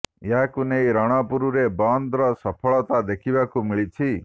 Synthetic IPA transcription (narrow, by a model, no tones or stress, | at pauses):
jɦakunejɾɔɽ̃ɔpuɾuɾebɔnd̪ɾɔsɔpʰɔɭɔt̪ad̪ekʰibakumiɭit͡ʃʰi